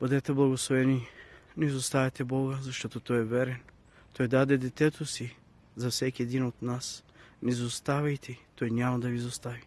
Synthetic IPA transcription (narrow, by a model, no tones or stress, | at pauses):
b̥ud̪ɛt̪ɛblˠɐɡoslˠovɛninɛzost̪avɛt̪ɛbɔɡəzɐʃt̪ɔt̪ot̪ɔjɛvɛɾɛn | t̪ʰojd̪ad̪ɛd̪ɛt̪ɛt̪ʰosi | zafsɛkʲiɛd̪inot̪nas | nɛzost̪avɛjt̪ʰɛt̪ojnʲamɐd̪ɐvizost̪avi